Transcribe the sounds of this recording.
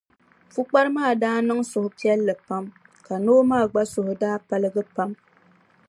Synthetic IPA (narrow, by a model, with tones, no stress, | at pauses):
fu˦k͡pa˦ɾɨ˦maː˦˨daː˦nɨ˦ŋsʊ˨hʊ˨pi˦ɛ˦lːɨ˨pa˦m | ka˨noː˦maː˦˨ɡ͡ba˦sʊ˨hʊ˨daː˦pa˦lɨ˦ɡɨ˦pa˦m